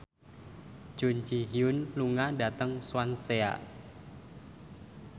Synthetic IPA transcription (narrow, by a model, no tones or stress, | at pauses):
d͡ʒʒ̥o̤ɲt͡ʃiɦiʊnluŋada̤t̪əŋswansea̰